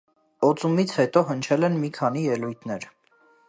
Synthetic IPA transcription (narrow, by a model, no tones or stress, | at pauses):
ɔt͡sumit͡sʰhɛt̪ɔɦənt͡ʃʰɛlɛnmikʰɑn̪ijɛlujt̪ʰnɛɾ